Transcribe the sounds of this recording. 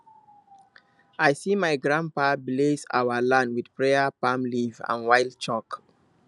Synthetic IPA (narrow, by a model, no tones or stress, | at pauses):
ajsimaɪɡɹãnpableza̰wəlãndwid̥pɹeəpãmlivã̰nwaɪlˠd̚t͡ʃɔk